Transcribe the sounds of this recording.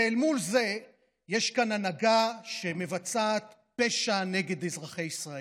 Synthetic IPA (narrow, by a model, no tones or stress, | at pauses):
elmulze̞ | jeʃkananaɡaʃe̞me̞vat͡saːt̪ | pe̞ʃane̞ɡe̞d̪ezʁaχe̞jisʁae